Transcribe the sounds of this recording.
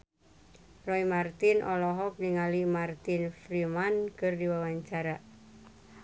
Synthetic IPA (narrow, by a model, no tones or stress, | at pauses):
rɔimart̪inʔɔlɔɦɔk̚diŋalimart̪infɾimankɨrdiwawaɲt͡ʃaɾa